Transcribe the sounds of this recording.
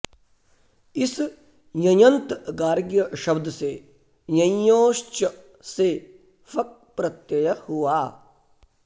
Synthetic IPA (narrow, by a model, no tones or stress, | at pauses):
ɪs | jɐjɐnt̪ɡaːɾɡjəʃɐbd̪seː | jɐ̃joːʃt͡ʃə | se | fʰɐk̚pɾɐt̪jɐjɐhuwaː